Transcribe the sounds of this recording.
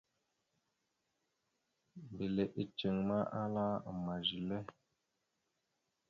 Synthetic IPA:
m˨be˨le˨ʔe˨t͡ʃə˨ŋma˦ʔa˦la˦˨ma˨d͡ʒi˨le˦

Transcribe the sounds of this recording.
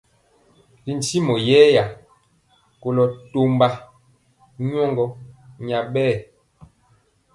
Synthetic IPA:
li˨n˨ti˦mɔ˨jɛː˦ja˨ | ko˨lɔ˨to˦mba˦ | ɲɔ˦ŋɡɔ˦ɲa˨ɓɛː˦˨

